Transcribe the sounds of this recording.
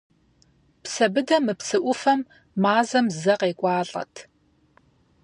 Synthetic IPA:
psɐbɨdɐmɨpsɨʔʷʊfɐmː | aːzɐmzɐqeːkʷʼɑːɮʼɐ̰tʰ

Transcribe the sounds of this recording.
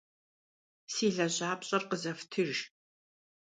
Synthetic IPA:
siːɮɐʑaːpɕʼɐrqəzɐftʰɨʒ

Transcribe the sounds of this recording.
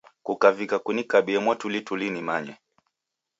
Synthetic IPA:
kukavikakunikaɓiɛmwatulitulinimaɲwɛ

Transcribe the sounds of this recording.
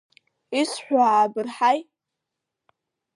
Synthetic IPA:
isħʷaabɨrħaj

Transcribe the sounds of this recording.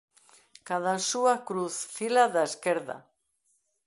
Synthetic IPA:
kaðasuakɾuθfilaðaeskeɾða̰

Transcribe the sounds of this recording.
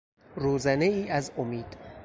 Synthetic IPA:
ruːzæneiːʔæzomiːd̪̥

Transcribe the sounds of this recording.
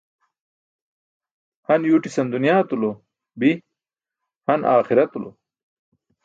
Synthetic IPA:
hɐnjuːʈisɐnd̪unijaːt̪ulo | bi | hɐnʔaːxiɾɐt̪ulo̰

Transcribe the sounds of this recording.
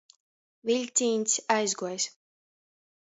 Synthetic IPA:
viʎʲt̪sʲiːnʲsʲajzɡuɔjs

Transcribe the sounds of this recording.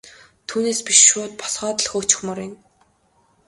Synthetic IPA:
t̪ʰuːneːspiʃːʊːt̪̚pɔ̥sχɔːt̪əɮxoːt͡ɕɪ̥̆xmɔɾin

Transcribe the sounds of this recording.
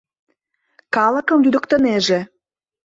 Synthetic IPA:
kɑlə̆kə̆mjyd̪ə̆kt̪ə̆neʒe

